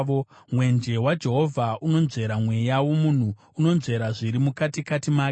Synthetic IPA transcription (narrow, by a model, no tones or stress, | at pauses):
mwe̞nd͡ʒe̞wad͡ʒe̞ɦo̞vʱauno̞nze̞ɾamwe̞jawomun̤u | uno̞nze̞ɾaʐiɾimukatikatimaːk